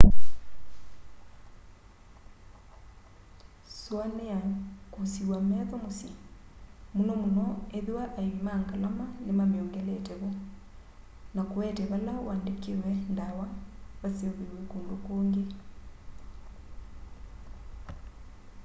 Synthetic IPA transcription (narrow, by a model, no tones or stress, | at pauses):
swaneakusiwamɛðɔmosi | munɔmunɔeðewaʔaiwimaːŋɡalamanemamjɔŋɡɛlɛtɛβɔ | nakowɛtɛβalawaːndekewɛndawaβaseoβeɾwekuːndokoːŋɡe